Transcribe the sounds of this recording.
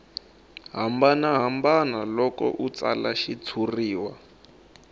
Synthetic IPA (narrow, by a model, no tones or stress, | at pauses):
ɦambanaɦambanalɔkɔ̰ʔut͡salaʃit͡sʰuriːwa